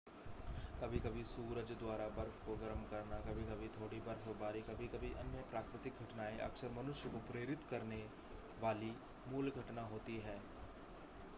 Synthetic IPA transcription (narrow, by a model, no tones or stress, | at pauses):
kɐbʱikɐbʱisuːɾəd͡ʒd̪waːɾabɐɾfʰkoɡɐɾəmkɐɾnakɐbʱikɐbʱit̪ʰoːɽibɐɾfʰbaːɾikɐbʱikɐbʱiʔɐnjəpɾaːkɾɪt̪ɪk̚ɡʱɐʈnaːeʔɐ̰ksəɾmɐnʊʃjəkopɾeːɾɪt̪kɐɾne | ʋaːli | muːlɡʱɐʈnaɦoːt̪iɦɛː